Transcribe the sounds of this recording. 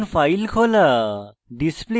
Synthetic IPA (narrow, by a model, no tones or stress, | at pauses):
npʰajlkʰola | ɖisple